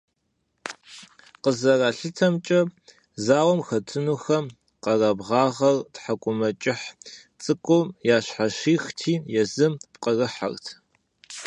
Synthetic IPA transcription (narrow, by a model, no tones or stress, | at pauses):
qəzɐraːɬɨtʰɐmt͡ʃʼɐ | zaːwɔmxɐtʰɨnuːxɐm | qɐrabʁɑːʁɐrtħakʷʼʊmɐt͡ʃʼɪħt͡sʼɨkʷʼʊjaːɕħaʃiːxtʰiːjɛzɨmqərɨħa̰rtʰ